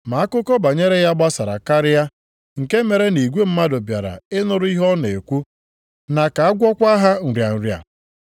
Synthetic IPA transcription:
ma˨a˦kʊ˦kɔ˦ba˨ɲe˦ɾe˦ja˦ɡ͡ba˦sa˨ɾa̰˨ka˦ɾɪ˦ja˦ | ŋ̩˨ke˦me˨ɾe˦ni˨ɡʷe˦m̩˦ma˦dʊ˨bja˨ɾa̰˨ɪ˦nʊ˦ɾʊ˦i˦ɦɔ˦ne˨e˨kʷu˦ | na˨ka˨a˦ɡʷɔ˦kʷa˦ɦa˦n̩˨ɾja˨n̩˨ɾja̰˨

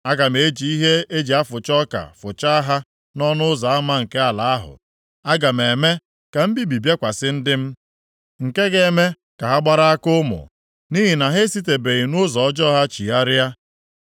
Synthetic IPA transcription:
a˦ɡa˨m̩˨e˨˦d͡ʒi˨i˦ɦe˦e˦d͡ʒi˨a˦fʊ˨t͡ʃɔ˦ka̰˨fʊ˨t͡ʃa˦a˦ɦa˦ | nɔ˦nʊ˦ʊ˦za˨a˦ma˦ŋ̩˨ke˦a˨la˨a˦ɦʊ̰˨ | a˦ɡa˨m̩˨e˨me˦ | ka˨m̩˦bi˦bi˨bje˦kʷa˨sɪ˦n̩˦dɪ˦m̩˦ | ŋ̩˨ke˦ɡe˨˦me˦ | ka˨ɦa˦ɡ͡ba˦ɾa˦a˦kʊ˦mʊ̰˨ | ni˦ɦi˨na˨ɦe˦si˦te˨be˨i˨nʊ˦zɔ˨ɔ˦d͡ʒɔ˦ɦa˦t͡ʃi˨a˦ɾja˦

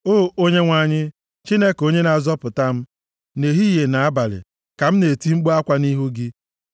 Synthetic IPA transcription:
oː˦˨o˦ɲe˦ŋʷa˦˨ɲɪ˦ | t͡ʃi˦ne˦ko˦ɲe˦na˨zɔ˦pʊ˨ta˦m̩˦ | ne˨ɦi˦je˨na˨a˦ba˨lɪ̰˨ | ka˨m̩˦ne˨ti˦ŋ͡m̩˦ɡ͡bo˦a˦kʷa˦ni˦ɦu˦ɡɪ˦

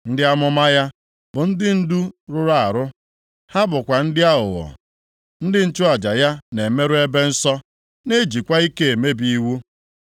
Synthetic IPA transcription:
n̩˦dɪ˦a˦mʊ˦ma˦ja˦ | bʊ˨n̩˦dɪ˦n̩˦du˦ɾʊ˦ɾa˦˨a˨ɾʊ˦ | ha˦bʊ˨kʷa˨n̩˦dɪ˦a˦ʊ̰˨wɔ̰˨ | n̩˦dɪ˦n̩˦t͡ʃʊ˦a˨d͡ʒa˨ja˦ne˨me˦ɾʊ˦e˦be˦n̩˦sɔ˦ | ne˦d͡ʒi˨kʷa˦i˦ke˦e˨me˦bi˦wu˦

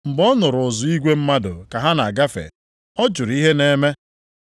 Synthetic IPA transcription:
m̩˨bɔ˦nʊ˨ɾʊ˨zʊ˨i˦ɡʷe˦m̩˦ma˦dʊ̰˨ka˨ɦa˦na˨a˨ɡa˦fḛ˨ | ɔ˦d͡ʒʊ˨ɾi˦ɦe˦ne˦me˦

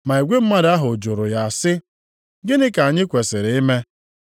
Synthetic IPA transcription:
ma˨i˨ɡʷe˦m̩˦ma˦da˦ɦʊ˨d͡ʒʊ˨ɾʊ˨ja˨a˨sɪ˦ | ɡɪ˦nɪ˦ka˨ɲɪ˦kʷe˨se˨ɾe˨˦i˦me˦

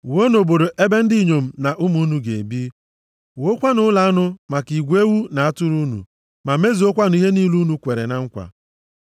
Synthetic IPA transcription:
wo˦no˨bo˨ɾo˨ʔe˦be˦n̩˦di˦ɲo˨m̩˨na˨ʔu˦mu˦nu˨˦ɡe˨e˨bi˦ | wo˦kʷa˦nʊ˦la˨a˦nʊ˦ma˨ki˨ɡʷe˦wu˦na˨a˦tʊ˦ɾu˦nṵ˨ | ma˨me˦zi˨o˦kʷa˦n˦i˦ɦe˦ni˦lu˦nu˨kʷe˨ɾḛ˨na˨ŋ̩˦kʷa̰˨

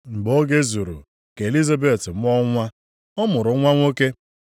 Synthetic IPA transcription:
ŋ͡m̩˨ɡ͡bo˦ɡe˦zu˨ɾṵ˨ | ke˨li˦za˦be˨tm̩˦ɔ˦ŋʷa˦ | ɔ˦mʊ˨ɾʊ˨˦ŋʷa˦ŋʷo˦ke˦

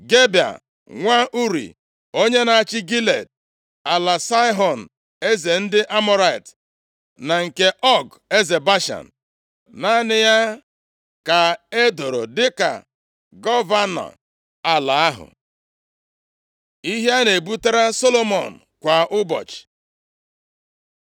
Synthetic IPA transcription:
ɡe˦ba̰˨ | ŋʷa˦ʔu˦ɾḭ˨ | o˦ɲe˦na˨a˨t͡ʃɪ˦ɡi˦le˨t̚ | a˨la˨sa˦i˦ɦɔ˨n̩˨ | e˦ze˨n̩˦dɪ˦ʔa˦mɔ˦ɾa˦ɪ˨t | na˨ŋ̩˨ke˦ʔɔ˦ɡ | e˦ze˨ba˦ʃa̰˨n̩˨ | na˦nɪ˦ja˦ | ka˨e˦do˨ɾo̰˨dɪ˦ka̰˨ | ɡɔ˦va˦nɔ̰˨ | a˨la˨a˦ɦʊ̰˨ | i˦ɦja˦ne˨bu˦te˦ɾa˦so˦lo˦mɔ̰˨n̩˨kʷa˨ʔʊ˦bɔ̰˨t͡ʃɪ̥˨

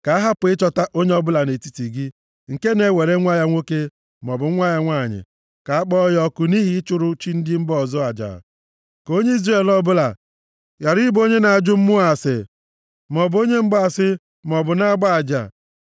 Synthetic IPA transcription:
ka˨˦a˦ɦa˦pʊ˨ɪ˦t͡ʃɔ˦ta˦ʔo˦ɲe˦ɔ˦bʊ˦la˨ne˨ti˦ti˨ɡɪ˦ | ŋ̩˨ke˦ne˨˦we˨ɾe˦ŋʷa˦ja˦ŋʷo˦ke˦ | mɔ˨bʊ˨˦ŋʷa˦ja˦ŋʷa˦˨ɲɪ̰˨ | ka˨a˦k͡pɔ˦jɔ˦kʊ˨ni˦ɦi˦t͡ʃʊ˦ɾʊ˦t͡ʃi˦n̩˦dɪ˦m̩˦bɔ˦˨zɔ˦a˨d͡ʒa̰˨ | ko˦ɲe˦i˦zre˦˨lɔ˦bʊ˦la̰˨ | ja˨ɾɪ˦bo˦ɲe˦na˨a˨d͡ʒʊ˦m̩˦mʊ˦a˨sɪ˨ | mɔ˨bo˦ɲe˦ŋ͡m̩˦bɔ˦a˨sɪ˦ | mɔ˨bʊ˨na˦ɡ͡ba˦a˨d͡ʒa̰˨

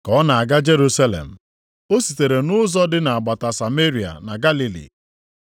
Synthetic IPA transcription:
kɔ˨˦na˨a˨ɡa˦d͡ʒe˦ɾu˦sa˦lḛ˨m̩˨ | o˦si˨te˨ɾe˨nʊ˦zɔ˦dɪ˦na˨a˨ɡ͡ba˨ta˨sa˨me˦ɾi˨a̰˨na˨ɡa˦li˦lḭ˨

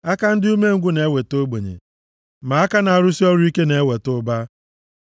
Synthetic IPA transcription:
a˦ka˦n̩˦du˦me˦ŋ̩˨ɡʷu˦ne˨˦we˨to˦ɡ͡bo˨ɲḛ˨ | ma˨a˦ka˦na˨a˨ɾʊ˦si˦ɔ˦ɾʊ˦i˦ke˦ne˨e˦we˨tʊ˦ba˦

